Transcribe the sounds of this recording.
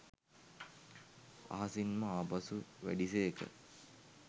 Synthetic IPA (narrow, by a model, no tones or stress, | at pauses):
a̰ɦɐsinməaːbasuʋæ̰ɖiseːkə̰